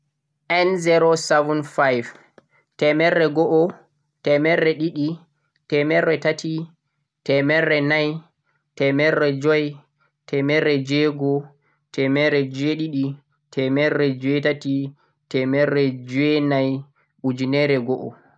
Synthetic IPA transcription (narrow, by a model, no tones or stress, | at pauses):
ʔɛnzɛɾosɛvunfajv | tɛmɛrːɛɡɔʔɔ | tɛmɛrːɛɗiɗi | tɛmɛrːɛtatʰi | tɛmɛrːɛnaj | tɛmɛrːɛd͡ʒɔj | tɛmɛɾːɛd͡ʒɛɡɔ | tʰɛmɛɾɛd͡ʒeɗiɗi | tʰɛmɛrːɛd͡ʒɛtati | tɛmɛrːɛd͡ʒɛnaj | ɓud͡ʒinɛɾɛɡɔʔɔ